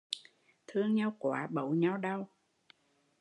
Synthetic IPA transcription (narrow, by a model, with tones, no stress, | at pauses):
t̪ʰɨ˧əŋɲa˧wkwaː˨˦ɓə̰˧˩˨wɲa˧wɗa˧w